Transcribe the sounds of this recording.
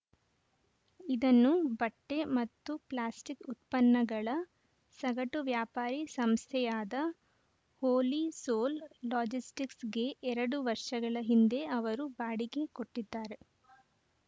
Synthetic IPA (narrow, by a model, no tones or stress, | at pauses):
id̪ɐnːubɐʈːe̞mɐt̪ːuplaːsʈikut̪pɐnːɐɡɐɭɐ | sɐɡɐʈuʋjaːpaːɾisɐmst̪ʰɛjaːd̪ɐ | hoːlisoːlːaːd͡ʒisʈiksɡe̞ʔɛɾɐɽuʋɐɾʂɐɡɐɭɐɦind̪e̞ɐʋɐɾubaːɽiɡe̞ko̞ʈːid̪ːaːɾe̞